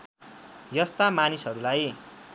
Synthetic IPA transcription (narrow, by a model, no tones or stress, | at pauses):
jʌst̪amanisɦʌɾulaj